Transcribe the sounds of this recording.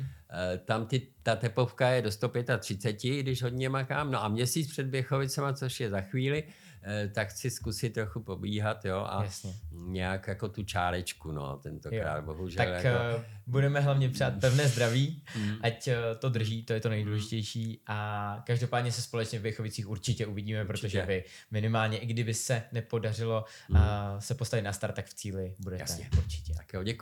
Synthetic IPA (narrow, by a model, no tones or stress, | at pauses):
t̪amt̪ɪt̪at̪ɛpofkajɛdo̞st̪o̞pjɛt̪at̪r̥ɪt͡sɛcɪɡdɪʃɦo̞d̪ɲɛmakaːmnoʔamɲɛsiːt͡spr̥ɛd̪̚bjɛxo̞vɪt͡sɛmat͡so̞ʃjɛzaxviːlɪ | t̪akxt͡sɪskusɪt̪̚ːɾo̞xupɾo̞biːɦat̪jo̞ːʔa̰jasɲɛɲɛakjako̞t̪ut͡ʃaːɾɛt͡ʃkuno̞̰t̪ɛnt̪okɾa̰ːd̪bo̞ɦuʒɛt̪aljakobudɛmɛɦlavɲɛpr̝̥aːt̪̚pɛvnɛːzd̪ɾaviːʔact̪o̞d̪r̩ʒiːt̪ojɛt̪o̞nɛjduːlɛʒɪcɛjʃiːʔakaʒdo̞paːd̪ɲɛsɛspolɛt͡ʃɲɛvɛjxovɪt͡siːxuɾt͡ʃɪcɛʔuvɪɟiːmɛppɾo̞t̪oʒɛvɪ | mɪnɪmaːlɲɛʔɪɡdɪbɪsɛnɛpo̞dar̝ɪlo̞ | sɛpost̪avɪt̪nast̪aɾt̪ːakft͡siːlɪbudɛj̪ɛsɛuɾt͡ʃɪ̥cɛakjoɛk